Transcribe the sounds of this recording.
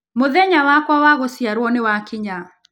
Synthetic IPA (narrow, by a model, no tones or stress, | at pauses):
moðɛɲawakwawaɣosjaɾwɔnewakiɲa